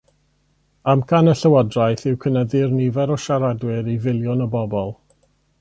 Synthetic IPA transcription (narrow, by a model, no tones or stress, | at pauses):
amkʰanəɬəwɔdrajθɪwkʰənəðɪrnivɛɾɔʃaɾadwɪɾivɪlˠjɔnəbɔbɔlˠ